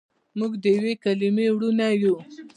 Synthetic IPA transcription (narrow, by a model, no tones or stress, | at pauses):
muɡd̪əjawekalimewɽunaju